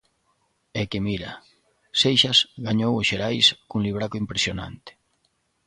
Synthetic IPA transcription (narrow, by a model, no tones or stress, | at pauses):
ɛkemiɾa̰ | sejʃasɣaɲowʊʃeɾajskuŋliβɾakoimpɾesjona̰nt̪ɪ̥